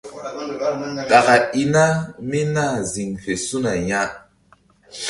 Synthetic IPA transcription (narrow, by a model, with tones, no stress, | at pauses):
ɗa˨ɣa˨i˦na˦mi˦na˦˨zi˨ŋfe˨su˦na˨ja˦˨